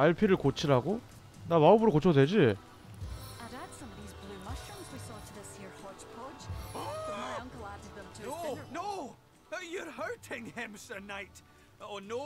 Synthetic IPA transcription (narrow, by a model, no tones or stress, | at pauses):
aɭpʰiɾɯɭkot͡ɕʰiɾaɡo | nawaubuɾokot͡ɕʰʌde̞d͡ʑi | ə̃ɾad̥sʌ̃mʌɾizblˠʉmʌʃə̃nzwisɔtʰəðɪsjiɹhɔt͡ʃpʰɔd | maɪʌ̃ŋkəlˠadɨd̪̚ðə̃mʰono | jə˞haɹtʰɪ̃ŋɪ̃msənaɪt | əno